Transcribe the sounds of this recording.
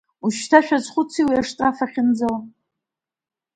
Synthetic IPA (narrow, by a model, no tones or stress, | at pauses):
uʃtʰaʃᶣazχʷʊt͡sʰiwiaʂtʼafaχʲɪnd͡zaw